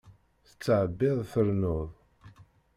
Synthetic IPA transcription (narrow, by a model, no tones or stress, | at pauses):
θət͡sːəʕəbːɪðˤθəɾnʊðˤ